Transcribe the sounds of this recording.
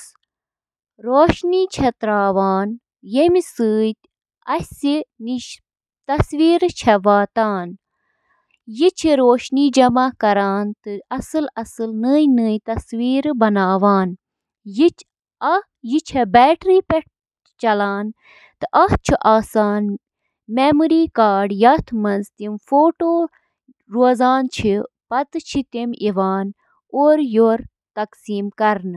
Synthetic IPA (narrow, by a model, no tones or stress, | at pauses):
ɾoːʃniːt͡ʃʰɐt̪ɾaːʋaːn | jemisɨːt̪ | ɐsiniʃ | t̪ɐsʋiːɾt͡ʃʰɛʋaːt̪aːn | jit͡ʃʰiɾoːʃniːd͡ʒɐmaːkɐɾaːnt̪ɨɐsɨlɐsɨlnəːjnɨːjt̪ɐsʋiːɾbɐnaːʋaːn | ji | ɐ | jit͡ʃʰebɛːʈɾiːpeʈ̚ʰ | t͡ʃɐlaːn | t̪ɨʔɐht͡ʃʰuʔaːsaːn | meːmuɾiːkaːɖjɐt̪ʰmɐnzt̪imfoːʈoː | ɾoːzaːnt͡ʃʰipɐt̪ɨt͡ʃʰit̪imiʋaːn | oːɾjoːɾ | t̪ɐksiːmkɐɾn